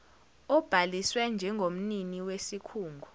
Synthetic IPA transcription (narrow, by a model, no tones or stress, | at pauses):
ɔb̥ʱaliswɛnd͡ʒʱɛŋɡʱom̩niniwesikʰuːŋɡʱu